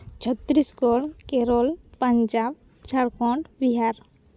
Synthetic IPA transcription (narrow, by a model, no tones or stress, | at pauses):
t͡ʃʰɔt̪ːɾiskɔɽkeɾɔlpaɲd͡ʒab | t͡ʃaɾkɔɳʈbiɦaɾ